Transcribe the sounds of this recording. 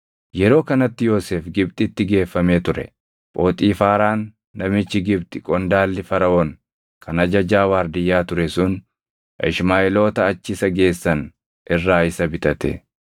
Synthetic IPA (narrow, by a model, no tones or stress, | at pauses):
jɛɾo̞ːkɐnɐt̪ːɪjo̞ːseːfɡɪb̚t̪ʼɪt̪ːɪɡe̞ːfːɐme̞ːt̪ʊɾɛ̰ | pʼo̞ːt̪ʼiːfaːɾaːnː | ɐmɪt͡ʃːɪɡɪbt̪ʼɪkʼɔnd̪aːlːɪfɐɾɐwɔŋ | kʰɐnɐd͡ʒɐd͡ʒaːwaːɾd̪ɪjːaːt̪ʊɾɛsʊn | ɪʃmaːɪlo̞ːt̪ɐːt͡ʃːɪsɐɡe̞ːsːɐn | ʔɪrːaːɪsɐbɪt̪ʼɐt̪ɛ̰